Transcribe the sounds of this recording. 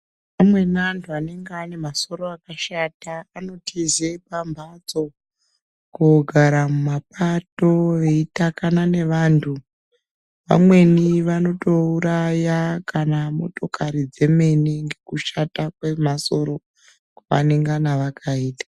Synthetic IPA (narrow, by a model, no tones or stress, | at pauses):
amwe̞nantʰuane̞ŋɡeane̞maso̞ɾo̞akaʃataːno̞tʰizepambʱad͡zo̞ | kuɡʱaɾamumap̚ato̞ʋe̞itakanane̞ʋaːntʰu | ʋa̰mwe̞niʋano̞to̞uɾajakanamo̞to̞kaɾid͡ze̞me̞niŋɡe̞kuʃatakwe̞maso̞ɾo̞ | kwaʋa̰neŋɡanaʋakʰaiːtḁ